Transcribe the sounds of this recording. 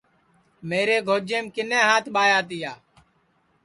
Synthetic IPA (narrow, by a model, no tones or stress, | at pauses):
meːɾeːɡʱoːd͡ʒeːmkɪnẽːɦãːt̪ʰɓaːjaːt̪ɪjaː